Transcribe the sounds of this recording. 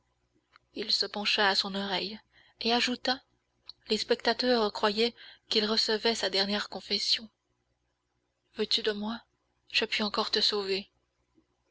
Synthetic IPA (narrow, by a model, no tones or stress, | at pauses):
ilsəpɑ̃ʃaːsɔ̃nɔʁɛj | eaʒut̪a | lespɛkt̪at̪œʁkχwajɛkʲilʁəsəvɛsad̪ɛʁnjɛʁkɔ̃fɛsjɔ̃ | vøt̪yd̪əmwa | ʒ̥əpɥiɑ̃kɔʁt̪əsove